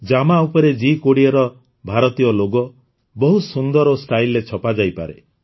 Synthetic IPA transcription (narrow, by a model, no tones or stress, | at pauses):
d͡ʒamaupɔɾed͡ʒikoɽiɔɾɔ | bʱaɾɔt̪ijɔloɡɔ | bɔɦusund̪ɔɾɔst̪ʰajlːet͡ʃʰɔpad͡ʒajpa̰ɾḛ